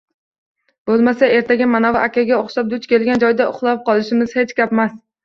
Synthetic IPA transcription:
b̥olˠmasae̞ɾt̪ʰaɡʲamanavɪʔakʲʰaɡʲaoχʃap̚d̪ʊt͡ʃkʲe̞lɡʲand͡ʒɒjd̪aʊ̰χlˠap̚qɒlˠɪʃɪmɪz̥he̞t͡ʃkʲapmas

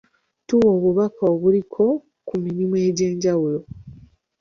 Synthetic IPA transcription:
tuwo̞ːβuβakaoβulikʰo̞ | kuminimuwe̞ːɟe̞ːɲɟawulo̞

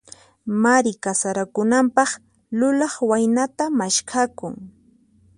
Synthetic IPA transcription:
maɾɪkasaɾakʊnampɑχ | lʊlɑχwajnat̪amaʃkʰakʊŋ

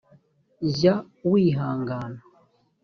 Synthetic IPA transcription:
za | wiːɦaːŋɡaːna

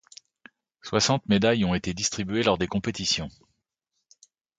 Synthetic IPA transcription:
swasɑ̃t̪med̪ajɔ̃et̪ed̪ist̪χibɥelɔʁd̪ekɔ̃pet̪isjɔ̃

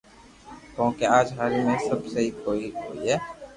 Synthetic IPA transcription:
k̪õːkeaːd͡ʒɦaːɾimẽsɐbseɦikoːikoːiɦɛː

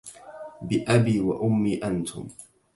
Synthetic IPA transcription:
bɪʔabiːwaʔʊmːiːʔant̪ʰʊ̰m

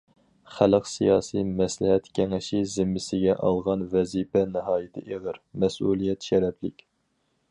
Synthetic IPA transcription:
χæləqsijɑːsimɛslɪɦɛt̪kʲʰɛŋɪʃizɪmːɪsɪɡʲɛʔɑ̰lˠʁɑnvɛzipɛnɨɦɑːjit̪ʰɪʔeʁəɾmɛsulˠijɛt̪ʃɛɾɛpʰlɪkʲ

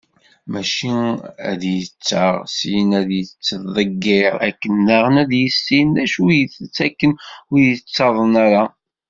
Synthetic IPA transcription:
mæʃiæ̰ðjət͡sːə̰ʁsiənæðjət͡sːəðˤəɡːɪɾˤæ̰kːənːæʁənæðjəsːinæʃujəθt͡sːækːənʊjət͡sːɑðˤənæɾa

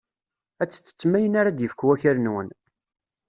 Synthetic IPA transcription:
æt͡sːə̥t͡sːə̥t͡sːmæjənaɾad̪jəfəkwæçəɾnwə̰n

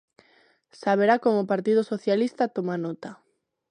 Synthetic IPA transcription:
saβ̞eɾakomopaɾt̪ið̞osoθjalist̪at̪omanot̪a

